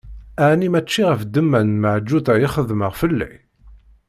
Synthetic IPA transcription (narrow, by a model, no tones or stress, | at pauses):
æʕnimæt͡ʃːiʁəfd̪əmːænməʕd͡ʒːuθæjiχəðməʁfəlːæ̰